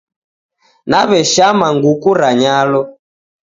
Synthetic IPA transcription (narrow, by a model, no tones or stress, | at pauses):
naβɛʃamaŋɡukuɾaɲalɔ